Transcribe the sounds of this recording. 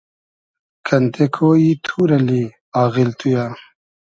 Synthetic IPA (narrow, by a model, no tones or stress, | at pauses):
kʰɐnt̪ʰekʰoːit̪ʰuːɾɐli | aːɣilt̪ʰujaː